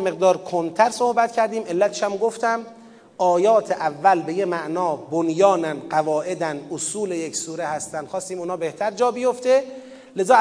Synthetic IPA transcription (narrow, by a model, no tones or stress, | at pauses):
me̞ɣ̚d̪ɒːɾkʰont̪ʰæɾsohbæt̪cʰæɾd̪iːme̞lːæt̪ʰe̥ʃæmɡoft̪æm | ʔɒːjɒːt̪ʰeʔævːælbe̞jemæʔnɒːbonjɒːnænd̪ɢævɒːʔe̞d̪ænd̪ʔosuːlejecsuːɾehæst̪ænd̪̥xɒːst̪iːmuːnɒːbe̞ht̪ʰæɾd͡ʒɒːbijoft̪e̞ | le̞zɒː